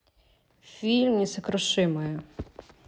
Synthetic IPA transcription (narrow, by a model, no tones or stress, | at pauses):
fʲilʲmʲisɐkɾɔʃɪmɔjʊ